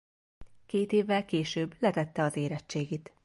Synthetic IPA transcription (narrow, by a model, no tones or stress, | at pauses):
keːt̪eːvːɛlkeːʃøːblɛt̪ɛt̪ːɛɒzeːɾɛt͡ʃːeːɡeːt̪